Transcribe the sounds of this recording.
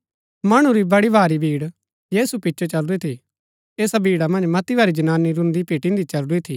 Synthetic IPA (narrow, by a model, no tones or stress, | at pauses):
mɐɽ̃ũɾibɐɽibʱaːɾibʱiːɽ | jeːsupɪtːʃʰot͡ʃɐlet̪ʰi | eːsabʱiːɽamɐ̃nd͡ʒmɐt̪ibʱaɾid͡ʒɐnaːnːiɾʊ̃nd̪ipiːʈɪ̃nd̪it͡ʃɐlɖuit̪ʰiː